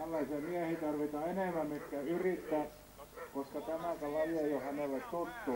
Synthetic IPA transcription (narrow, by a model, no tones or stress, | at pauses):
ælːɑisemiæhit̪ɑrʋit̪ɑːeneˑmæmit̪kæyrit̪ːæː | koskɑt̪æmæˑkælæjejohæneˑlːˑet̪ot̪ːu